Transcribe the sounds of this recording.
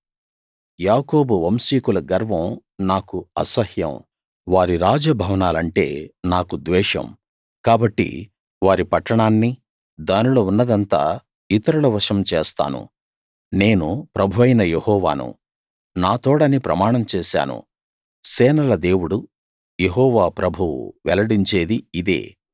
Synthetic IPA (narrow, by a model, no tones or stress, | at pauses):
jaːko̞ːbuʋɐmsiːkulɐɡɐɾʋɐ̃m | naːkuɐsɐhjɐ̰m | ʋaːɾiɾaːd͡ʒɐbʱɐʋɐnaːlɐɳʈe̞̰ːnaːkud̪ʋɛːʂɐ̰m | kaːbɐʈːḭ | ʋaːɾipɐʈːɐɳaːnːi | d̪aːniloːunːɐd̪ɐnt̪a̰ː | it̪ɐɾulɐʋɐʂɐmt͡ʃeːst̪a̰ːnṵ | ne̞ːnupɾɐbʱuʋɐjnɐjehɔːʋa̰ːnṵ | naːt̪o̞ːɽɐnipɾɐmaːɳɐmt͡ʃɛːʃa̰ːnṵ | sɛːnɐlɐd̪e̞ːwuɽu | jeɦɔːʋaːpɾɐbʱuwṵʋɛlɐɽiɲt͡ʃe̞ːd̪iid̪ḛː